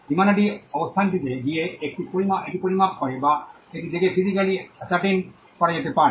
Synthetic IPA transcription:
imanaɖiɔbɔst̪ʰanʈit̪eɡijeːk̚ʈipoɽimaʔeʈipoɽimakhɔjba | eʈid̪iɡepid̪ikaliasaʈin | kɔɽaɲat̪ɛpa

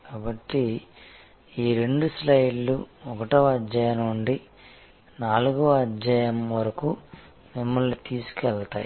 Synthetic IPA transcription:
kaːbɐʈːi | iːɾe̞ɳɖuslɐjlːuɔkɐʈɐʋɐd͡ʒːaːjɐnuɳɖi | naːluɡuɐd͡ʒaːjɐmʋɐɾɐkuː | mimːɐɭːut̪iːsu̥kɛɭɐt̪aːji

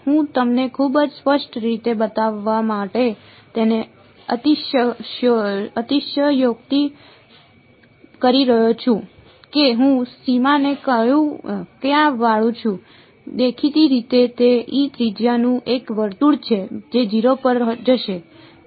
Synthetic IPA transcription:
ɦũt̪əmnekʰubəd͡ʒspəʃʈɾit̪ebət̪aʋːamaʈe | t̪ene | ət̪iʃə | ət̪iʃjəjokt̪i | kəɾiɾəɦjot͡ʃʰũ | keɦũsimanekəjũkjãʋaɭũt͡ʃʰũ | d̪ekʰit̪iɾit̪et̪eʔit̪ɾid͡ʒjanũʔekʋəɾt̪uɽt͡ʃʰed͡ʒed͡ʒiɾopəɾd͡ʒəʃe

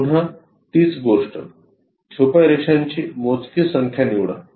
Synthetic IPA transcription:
uɽ̤a | t̪iːsɡoʂʈə̰ | t͡ɕʰopaɾeʂaɲt͡ɕiːmot͡skisəŋkʰjaniwɽa̰

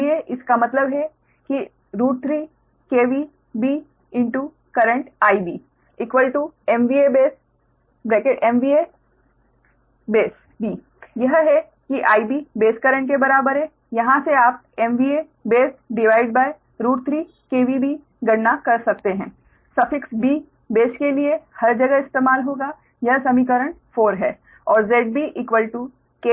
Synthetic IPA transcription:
ieʔɪskamɐt̪ləbɦɛ | ki | ɾuːʈ̚t̪ʰɾiː | keːʋi | biː | ɪ̃ɳʈu | kɐɾə̃ɳʈaːibiː | ɪkʋəlʈuɛmʋiːebeːs | bɾeːkeʔɛmʋie | beːs | bʱiː | jɐɦɦɛ | kiʔaːibibeːskɐɾə̃ɳʈ̚kebɐɾaːbəɾɦɛ | jɐɦãseaːp̚ | ɛːmʋiːe | beːsɖɪʋaːɪɖ̚baːe | ɾuːɾt̪ʰɾi | keːʋibi | ɡɐɽnakɐɾsɐk̚t̪eɦɛ̃ː | sɐfɪksbiː | beːskeliehɐɾd͡ʒɐɡəɦɪst̪eːmaːlɦoːɡa | jɐɦsɐmiːk̬əɾəɳ̃foːɾɦɛː | ɔːɾzeːɖ̚biʔiːkwʋəlʈu | ke

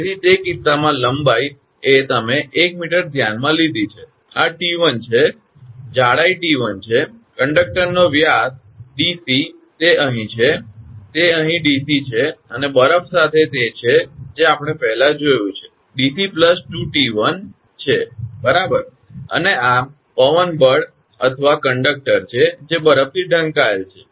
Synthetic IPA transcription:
ɾit̪ekit̪ːamãləmbaj | et̪əmeʔːkmiʈəɾd̪ʱjanmãlid̪ʱit͡ʃʰe | aʈiʋənt͡ʃʰe | d͡ʒaɽaiʈiʋənt͡ʃʰekəɳɖək̚ʈəɾnoʋjas | ɖisi | t̪eʔəɦĩt͡ʃʰet̪eəɦĩɖisit͡ʃʰeənebəɾəfʰsat̪ʰet̪et͡ʃʰed͡ʒeapɽ̃epɛɦɛlad͡ʒojũt͡ʃʰe | ɖisipləsʈuʈiʋən | t͡ʃʰebəɾabəɾ | ə̰nea | pəʋənbəɽ | ə̰t̪ʰəʋakəɳɖək̚ʈəɾt͡ʃʰed͡ʒebəɾəf̚t̪ʰiɖʱə̃ŋkaelt͡ʃʰe̥

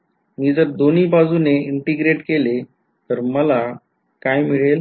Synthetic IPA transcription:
miːd͡zəɾd̪oniːbad͡zuneiɳʈiɡɾeʈkele | t̪əɾməla | kajmiɭel

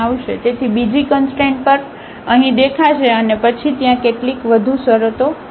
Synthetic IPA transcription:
aʋʃed͡ʒet̪ʰibid͡ʒikənsʈẽɳʈ̚pəɾ | əɦĩd̪ekʰaʃeənepət͡ʃʰit̪jãkeʈlikʋəd̪ʱũsəɾət̪o

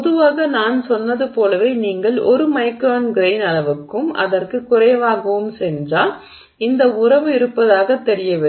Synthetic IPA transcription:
pɔðɯʋaːɣɐnaːnsɔnːɐðɯpoːlɐʋeːniːŋɡɐɭʔɔɾɯmɐɪkɾaːnɡɾeɪnɐlɐʋɯkːɯmʔɐ̰ðɐrkɯkːʊrɐjɐʋaːɣɐʋɯmsɛndraː | ɪnd̪ɐʊrɐʋɯɪɾɯpːɐðaːɣɐt̪ːɛɾɪjɐʋɪ

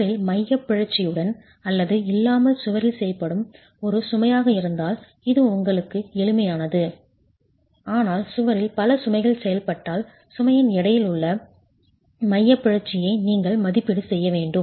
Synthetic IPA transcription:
ɾɪlmɐjːɐpːɪɻɐɾt͡ʃːɪjɯɽɐn | ɐlːɐðɯɪlːaːmɐlsʊʋɐɾɪlsɛjɐpɐɽɯm | ɔɾɯsʊmɐjaːɣɐɪɾɯnd̪aːl | ɪðɯʊŋɡɐɭɯkːɯɛlɯmɐjaːnɐðɯ | aːnaːlsʊʋɐɾɪlpɐlɐsʊmɐɪɣɐɭsɛjɐlpɐʈːaːl | sʊmɐjɪnɛɽɐjɪlʊɭːɐ | mɐjːɐpːɪɻɐɾt͡ʃːɪjɐɪniːŋɡɐɭmɐðɪpːɪɽɯsɛjːɐʋeːɳɖɯm

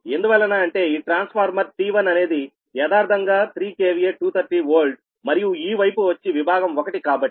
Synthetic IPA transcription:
e̞nd̪uʋɐlːɐnaːɐɳʈe̞ːiːʈɾaːnspʰaːɾmɐɾʈiːʋɐnɐne̞ːd̪i | jɛːd̪aːɾd̪ʱɐŋɡaːt̪ʰɾiːke̞ːʋieːʈuːt̪ʰɐɾʈiʋoːɾlɖ | mɐɾijuiːʋɐjpuʋɐt͡ʃːiʋibʱaːɡɐmɔkɐʈikaːbɐʈːi

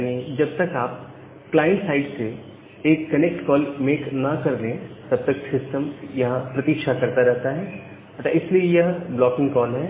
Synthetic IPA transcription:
janiːd͡ʒɐb̚t̪ɐkaːp̚ | klaːɪ̃ɳʈsaːɪɖse | eːkːɐnek̚ʈkɔːlmeːknɐkɐɾlẽt̪ɐb̚t̪ɐksɪsʈəmjɐɦãpɾɐt̪ikʃakɐɾt̪aɾɛɦt̪aɦɛː | ɐt̪aɪsliejɐɦblɔːkɪ̃ŋɡkɔːlɦɛː

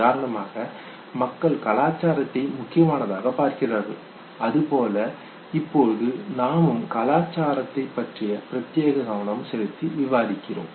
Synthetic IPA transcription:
aːɾɐɳɐmaːɣɐ | mɐkːɐɭkɐlaːt͡ʃːaːɾɐt̪ːɐɪmʊkːɪjɐmaːnɐðaːɣɐpaːɾkɪraːɣɯ | ɐðɯpoːlɐ | ɪpːoːðɯnaːmɯmkɐlaːt͡ʃːaːɾɐt̪ːɐɪpːɐʈrɪjɐpɪɾɐt̪jeːɣɐɣɐʋɐɳɐmsɛjɯt̪ːiʋɪʋaːðɪkːɪro̰ːm

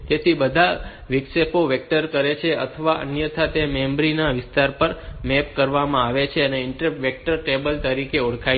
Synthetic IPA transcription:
t̪et̪ʰibəd̪ʱa | ʋɪksepoʋekʈəɾkəɾet͡ʃʰeʔə̰t̪ʰəʋaʔə̰njət̪ʰat̪emembɾinaʋɪst̪aɾpəɾmɛpkəɾʋamãaʋet͡ʃʰeəneɪɳʈəʋek̚ʈəɾʈebəlt̪əɾikeoɽkʰa

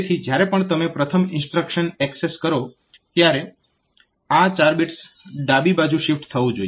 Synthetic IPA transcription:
t̪ʰid͡ʒjaɾepəɳt̪əmepɾət̪ʰəmɪ̃nsʈɾəkʃənɛkseskəɾo | t̪jaɾe | at͡ʃaɾbiʈs | ɖabibad͡ʒũʃifʈt̪ʰəʋũd͡ʒoj

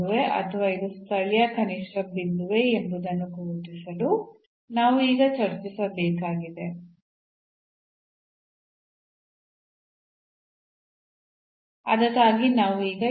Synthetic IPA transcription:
uʋeʔɐ̰t̪ʰɐʋaːid̪ust̪ʰɐɭjɐkɐniʂʈɐbind̪uʋeemb̪ud̪ɐnːukoːʈisɐd̪u | naːʋuiːɡɐt͡ʃɐɾt͡ʃisɐbɛːkaːɡid̪e̞ | ɐ̰d̪ɐt̪aːɡinaːʋuiːɡɐ

